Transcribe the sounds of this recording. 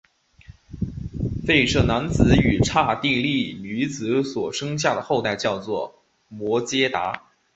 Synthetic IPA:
fe˥˧ɪʂɤ˥˩na˧˥nt͡sɹ̩˧˥y˨˩ʈ͡ʂʰa˥˧t̪i˥˧li˥˩ny˧˥t͡sɹ̩˧˥swɔ˨˩ʂɤ˥ŋɕ̬ja˥˩d̪ə˩xo˥˧ʊt̪a˥˧ɪt͡ɕjɑ˥˧ʊt͡swɔ˥˩ | mwɔ˧˥t͡ɕjɛ˥t̪a̰˧˥

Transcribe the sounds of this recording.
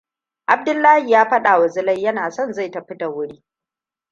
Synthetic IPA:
ʔa˨b̚dʊ˦lːaː˦hi˨jaː˦ɸɐ˦ɗa˨wɐ˨zɪ˦lɐ˦jjɐ˦naː˨sɔ˦˨nza˦˨jta˨ɸɪ˦ta˨wʊ˦ɽiː˦

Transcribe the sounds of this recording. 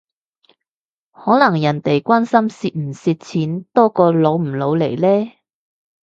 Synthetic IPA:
hɔː˨˥lɐ˨˩ŋjɐ˨˩nt̪e˨jkʷwaː˥nsɐ˥msiː˧t̚m̩˨˩siː˧t̚t͡sʰiː˨˥nt̪ɔː˥kɔː˧lo˨˧wm̩˨˩lo˨˧wle˨˩jlɛː˥

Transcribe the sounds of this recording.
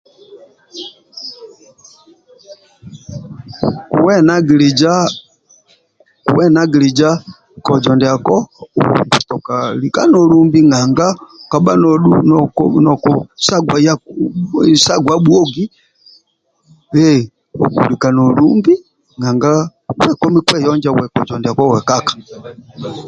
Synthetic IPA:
ku˨wɛ˦na˦ɡi˨li˨d͡ʒa˦ | ṵ˨wɛ˦na˦ɡi˨li˨d͡ʒa˦ | kɔ˨d͡ʒɔ˨ndɛ˨a˨kɔ˦ṵbu˨tɔ˨ka˨li˨ka˦nɔ˨lu˦mbi˦ŋɡa˨ŋɡa˦ka˨ba˦nɔɗunknɔ˨kɔsa˦ɡwaja˦ | sa˦ɡwaɓwɔ˦ɡi˦ | wɛ | u˨kṵ˨lika˨nɔ˨lumbi˦ | ŋa˨ŋɡa˦wɛkɔ˦mi˦kwɛ˦jɔ˦ɲd͡ʒa˦wɛ˨kɔ̰˨d͡ʒɔ˨ndɛ˨a˨kɔ˦wɛ˨kakḁ˨

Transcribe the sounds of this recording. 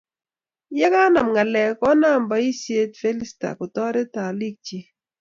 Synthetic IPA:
jɛ˦ka˦na˨mŋa˨lɛ˨kɔ˦na˦˨mba˨i˦se˦tfe˦li˦sta̰˨kʊ˨tɔ˦ɾɛ˦ta˨li˦k̚t͡ʃi˦

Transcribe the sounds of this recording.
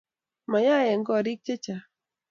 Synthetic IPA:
ma˨ja˦jɛ˨ŋɡɔ˦˨ɾɪ˦k̚t͡ʃe˦t͡ʃa˨

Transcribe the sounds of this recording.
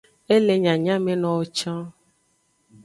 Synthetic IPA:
e˦le˨ɲã˨ɲã˦mẽ˨nɔ̃˨wo˨t͡ʃã˦

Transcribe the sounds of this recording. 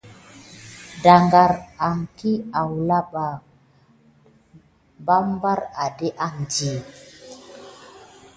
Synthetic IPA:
da˨ŋɡa˨ɾa˨ŋki˦a˨wla˦ɓa˨ | ba˦mba˦ɾa˨de˦ʔa˦ŋd͡ʒi˨

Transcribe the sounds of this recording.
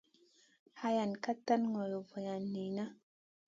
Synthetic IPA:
ha˦ja˨nka˦tːa˦nŋɔ˨jo˨vɔ˨ja˨nːi˨na˦

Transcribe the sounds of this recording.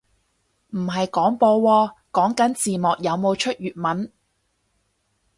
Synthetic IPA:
m̩˨˩ɦɐ˨jkɔː˨˥ŋpɔː˧wɔː˧kɔː˨˥ŋkɐ˨˥nt͡siː˨mɔː˨k̚jɐ˨˧wmo˨˧wt͡ʃʰɵ˥t̚jyː˨t̚mɐ˨˥n

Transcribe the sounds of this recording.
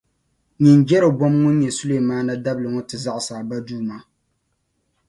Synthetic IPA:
ɲi˨nd͡ʒɛ˦ɾɨ˨bɔ˦mŋo˦ɲɛ˨su˦le˦˨maː˦na˦da˦blɨ˨ŋo˦tɨ˨za˦ʔsaː˨ba˦duː˦ma˦

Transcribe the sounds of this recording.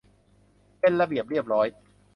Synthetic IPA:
pe˧nɾa˧bi˨˩əp̚ɾi˥˩əp̚ɾɔː˦˥j

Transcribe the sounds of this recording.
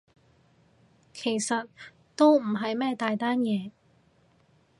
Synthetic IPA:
kʰe˨˩jsɐ˨t̚ | t̪o˥wm̩˨˩ɦɐ˨jmɛː˥t̪aː˨jt̪aː˥njɛː˨˧

